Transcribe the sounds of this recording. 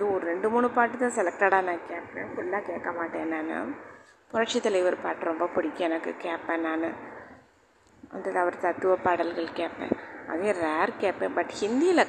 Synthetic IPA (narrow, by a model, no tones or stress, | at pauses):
ɐðɯɔɾɯɾɛɳɖɯmuːɳɯpaːʈːɯt̪ãːsɛlɛk̚ʈaːɽaːnãːkeːpːḛ̃ːfʊɭːaːkeːʈkːɐmaːʈːẽːnaːnɯ̰ | pʊɾɐʈ̚t͡ʃɪt̪ːɐlɐɪʋɐɾpaːʈːɯɾɔmbɐpʊɽɪkʲːɛnɐkːɯ̰keːʈpːẽːnːaːnɯ | ʋɐ̰nd̪ɯðɐʋɐɾt̪ɐt̪ːɯʋɐpɐɽɐlɣɐɭkeːpːḛ̃ːɐ̰ðeʋeːɾkeːpːẽːbɐʈhɪnd̪ijɪlɐ